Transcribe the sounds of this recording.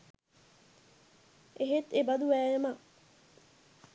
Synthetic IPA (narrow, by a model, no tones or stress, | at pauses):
ʔeɦet̪ebɐd̪uʋæːjema